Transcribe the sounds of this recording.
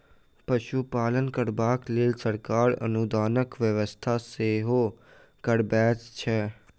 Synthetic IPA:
pəʃupaːlənkəɾbaːkleːlsəɾkaːɾə̰nud̪aːnəkʋəʋəst̪ʰaseːɦo | kəɽbɛːt͡ʃt͡ʃʰɛː

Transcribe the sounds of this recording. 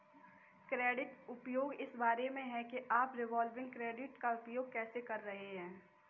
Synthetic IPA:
kɾeːɖɪʈʊpjoːɡɪsbaːɾemẽɦɛ̃keʔaːpɾɪʋaːlʋɪ̃ŋɡ̚kɾeːɖɪʈkaʊpjoːɡ̚kɛːsekɐɾːɐɦeɦɛ̃ː

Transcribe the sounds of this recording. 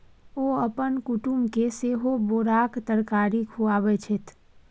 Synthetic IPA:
oəpənkʊʈumbkeseɦoboːɾaːkt̪əɾkaːɾikʰuaːbɛt͡ʃʰet̪

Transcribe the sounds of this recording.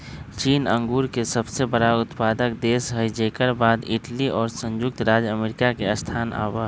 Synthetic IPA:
t͡ʃiːnə̃ŋɡuːɾkesəbsebəɽaʊt̪paːd̪əkd̪eːsɦəid͡ʒekəɾbaːd̪ɪʈliʔɔːɾsə̃nd͡ʒʊk̚t̪ɾaːd͡ʒəmeːɾɪkakeəst̪ʰaːna̰ːwa

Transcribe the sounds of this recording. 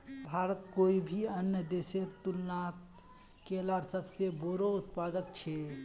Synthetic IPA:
bʱaɾət̪koibʱiənjəd̪eseɾt̪ulnat̪ | kelaɾsəbseboɾout̪pad̪ək̚t͡ʃʰɛ

